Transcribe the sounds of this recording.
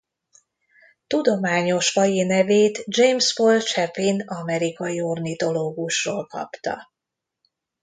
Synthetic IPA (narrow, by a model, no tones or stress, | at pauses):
t̪ud̪o̞maːɲo̞ʃfɒjinɛveːt̪d͡ʒejmsfolt͡ʃɛpinɒmɛɾikɒjio̞rnit̪o̞loːɡuʃroːlkɒ̰pt̪ɒ̰